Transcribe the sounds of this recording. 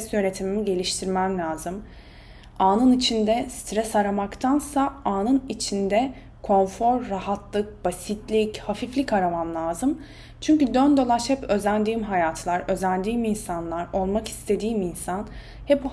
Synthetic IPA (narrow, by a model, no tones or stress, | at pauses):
ɛsjøne̞t̪ʰimimiɟe̞lʲiʃt̪ʰiɾmæmlʲaːzɯm | aːnɯnit͡ʃʰind̪ɛst̪ʰɾɛsaɾamakt̪ʰansaaːnɯnit͡ʃʰind̪ɛ | kʰo̞nfo̞ɾːahat̪lˠɯk̚b̥asit̪ʰlʲichafiflʲikaɾamamlˠaːzɯm | t͡ʃʰyɲcyd̪ønd̪o̞lˠaʃhɛpø̞zænd̪iːmɦajaːt̪ʰɯlˠaɾø̞zænd̪iːminsanlˠaɾo̞lˠmaki̥st̪ʰe̞d̪iːminsan | hɛp